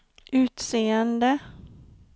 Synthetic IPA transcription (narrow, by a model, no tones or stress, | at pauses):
ʉ̟ːt̪seːənd̪ə